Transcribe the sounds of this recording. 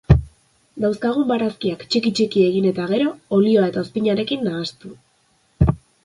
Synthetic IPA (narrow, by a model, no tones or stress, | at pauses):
d̪awskaɣ̞umbaɾaskiakt͡ʃikit͡ʃikie̞ɣ̞ine̞t̪aɣ̞e̞ɾo̞ːlio̞ae̞t̪aospiɲaɾe̞kinːaːst̪u